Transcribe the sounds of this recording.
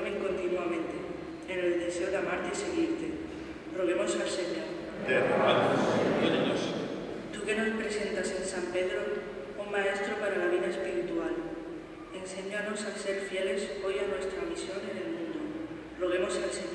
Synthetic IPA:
meŋko̞nt̪inuamẽ̞nt̪eː | neld̪e̞se̞oðamaɾt̪ese̞ɣ̞iɾt̪e | roɣ̞emo̞salseɲoɾ | keaeaos | t̪uke̞no̞spɾe̞se̞nt̪ase̞nsampe̞ðɾo | uŋmae̞st̪ɾopaɾalaβ̞iðaespiɾit̪ual | e̞nse̞ɲano̞sase̞ɾfje̞le̞so̞janwe̞st̪ɾamisjo̞nene̞lmũnd̪o | roɣ̞e̞mo̞salse

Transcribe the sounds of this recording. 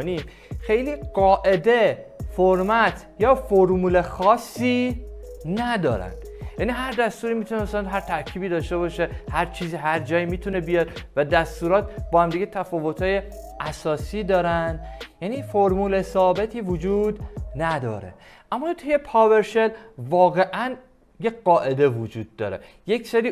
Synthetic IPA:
nim | xe̞jliːɢɒːʔe̞d̪e̞foɾmæt̪ʰjɒːfoɾmuːle̞xɒːsːiː | næd̪ɒ̰ːɾæ̰nd̪̥ | jæːniɦæɾd̪æst̪uːɾiːmit̪ʰunemæsælænɦæɾt̪ʰæɾcʰiːbiːd̪ɒːʃt̪e̞bɒʃe̞hæɾt͡ʃʰiːziːɦæɾd͡ʒɒːjimiːt̪ʰunebijɒːɾvæd̪æst̪uːɾɒːt̪̚bɒːhæmd̪iɡɟet̪ʰæfɒːvo̞t̪ʰhɒːje̞ | ʔæsɒːsiːd̪ɒːɾænd̪jæniːfoɾmuːlesɒːbe̞t̪ʰiːvod͡ʒuːd̪næd̪ɒ̰ːɾe̞̰ | ʔæmːɒːt̪ʰujepʰɒːveɾʃelvɒːɣe̞ʔæn | jeɢɒːʔe̞d̪e̞vud͡ʒuːd̪̚ːɒ̰ːɾe̞̰ | je̞cseɾiː

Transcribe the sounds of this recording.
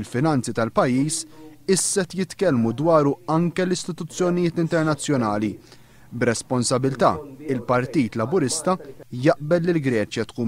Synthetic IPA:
lfɪnɐnt͡sit̪ɐlpɐjːiːsɪsːɛt̪jɪt̪kɛlmud̪wɐːɾuɐŋkɛlɪst̪ɪt̪ʊt͡sːjɔnɪjɪːt̪ɪnt̪ɛɾnɐt͡sːjɔnɐːli | bɾɛspɔnsɐbɪlt̪ɐ̰ːɪlpɐɾt̪iːt̪lɐbʊɾɪst̪ɐjɐʔbɛlːɪlɡɾɛːt͡ʃjɐt̪kuː

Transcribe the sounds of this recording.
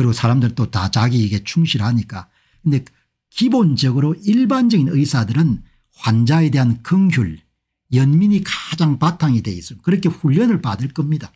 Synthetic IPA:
kɯɾiɡosʰaɾamdɯɾnt͈otat͡ɕaɡiːɡe̞t͡ɕʰuŋɕʰiɾhaɲik͈a | kɯnde̞ | kibond͡ʑʌɡɯɾoiɭband͡ʑʌɡinɯjsʰadɯɾɯn | hwand͡ʑae̞de̞ɦankɯŋçjuɭ | jʌnmiɲikad͡ʑaŋpatʰaŋidwe̞is͈ɯmjkɯɾʌkʰe̞ɸuʎːʌnɯɭpadɯɭk͈ʌmɲida

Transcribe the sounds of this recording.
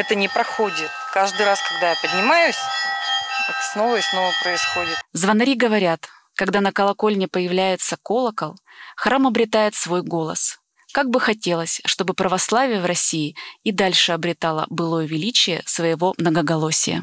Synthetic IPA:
ɛt̪ənʲɪpɾɐxodʲɪt̪̚kaʐd̪ɨjɾaskɐɡ̚d̪ajapədʲnʲɪmajʊsʲ | ɛt̪ə̥sno̞vəɪsno̞vəpɾəɪsxo̞dʲɪt̪zvɐnɐɾʲiɡəvɐɾʲat̪ | kɐɡd̪anəkəlˠɐko̞lʲnʲɪpəjɪvlʲæjɪt̪səko̞lˠəkəlˠ | xɾamɐbɾʲɪt̪ajɪt̪svo̞jɡo̞lˠə̰s | kaɡ̚bɨxɐtʲe̞lˠəsʲʂt̪o̞bɨpɾəvɐslˠavʲɪjəvrɐsʲijɪɪd̪alʲʂɨɐbɾʲɪt̪alˠə̰bɨlˠo̞jəvʲɪlʲit͡ɕɪjə̰svəjɪvo̞mnəɡəɡɐlˠo̞sʲɪ̰jə̰

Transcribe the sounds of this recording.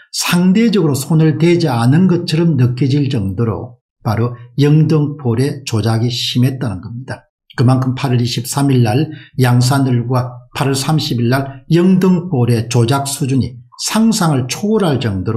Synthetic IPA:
sʰaŋde̞d͡ʑʌɡɯɾosʰonɯɭtwed͡ʑianɯnɡʌt̚t͡ɕʰʌɾʌmnɯkʰid͡ʑiɭt͡ɕʌŋdoɾo̰ | paɾojʌŋdɯŋpʰoɾe̞t͡ɕod͡ʑaɡiɕʰime̞t̚t͈anɯnɡʌmɲida | kɯmankʰɯmpʰaɾʌɾiɕʰip̚s͈amiɭːaɭjaŋs̬ʰanɯɭɡwapʰaɾʌɭsʰamɕʰibiɭːaɭjʌŋdɯŋp͈oɾe̞t͡ɕod͡ʑak̚s͈ud͡ʑuɲḭ | sʰaŋsʰaŋɯɭt͡ɕʰoɾɦaɭt͡ɕʌŋdoɾo

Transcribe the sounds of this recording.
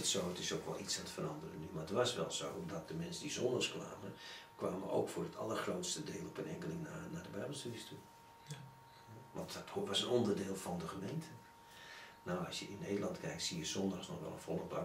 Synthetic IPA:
ɪsowətɪsowkʋɔ̰lˠisaətfəɾɑndərənymaːətʋasʋɛ̰lˠso̰womdɔt̚dəmɛnsədizɔndaxskʋa̰ːməkʋaːmə̰o̰wkfʊːdətʰɑ̰lˠərxrowtstədeːlˠɔpʰənɛŋkəlɪŋnanadəbɛjbəlˠstudistʰu | ɛʋɑ̰nttʋasənɔndərdeːlˠfɔndəxəmeːntʰə | nawɑsjəɪnːeːdəlˠɑntkʰɛjk̚tsijəz̥ɔndasnɔxʋɛ̰lˠə̰nfɔlˠəba

